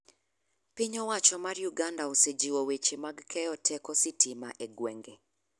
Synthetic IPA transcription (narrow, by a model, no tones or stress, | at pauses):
pɪɲɔwat͡ʃɔmarjuɡandaosed͡ʒiwowet͡ʃemaɡkʰɛjɔtʰɛkɔsɪtʰɪma̰ʔeɡwɛŋɡe